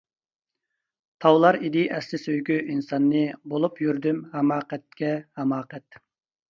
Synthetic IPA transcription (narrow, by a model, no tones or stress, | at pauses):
t̪ʰɑwlˠɑɾid̪iʔɛslɪsøjɡʲyʔinsɑnːɨbolˠupjyɾd̪ymhɛmɑːqɛt̪̚kʲɛhɛmɑːqɛt̪